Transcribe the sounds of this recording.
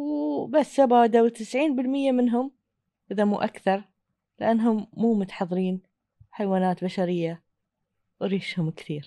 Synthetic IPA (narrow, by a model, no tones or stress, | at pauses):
wbasːabad̪awt̪ɪsʕiːnbɪlmɪjːamɪnɦʊm | ʔɪðamuːʔakθɑɾˤ | lɪʔanːɦʊmːuːmʊt̪ħɑðˤɾiːn | ħajwaːnaːt̪baʃaɾɪjːa | wɾiːʃhʊmkθiːɾ